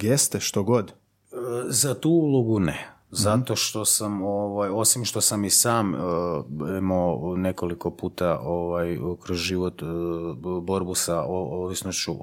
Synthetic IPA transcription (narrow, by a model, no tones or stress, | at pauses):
ɡjest̪eʃt̪oɡo̞d̪ | əzat̪uːulˠoɡune | zat̪o̞ʃt̪o̞samoʋajo̞simʃt̪o̞samisaːm | imone̞ko̞liko̞puːt̪aʔoʋajkɾozʒiʋo̞t̪ | bo̞ɾbusaooʋisnost͡ɕu